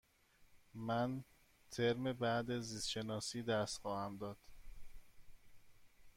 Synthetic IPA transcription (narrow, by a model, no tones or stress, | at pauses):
mæn | t̪ʰeɾmebæd̪ezisʃe̞nɒːsiːd̪æst̪xɒːhæmd̪ɒːd̪̥